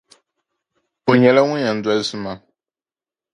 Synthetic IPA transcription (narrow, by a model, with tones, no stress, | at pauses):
o˨ɲɛ˨la˦ŋũ˦a˨n̩˨dɛ˦su˦ma˨